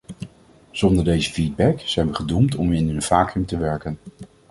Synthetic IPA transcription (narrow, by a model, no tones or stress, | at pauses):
z̥ɔndəɹdejzəviːd̚bɛkz̥ɛjnʋəχədumtɔmɪnɦɵnv̥aːkəmtəʋɛɹkən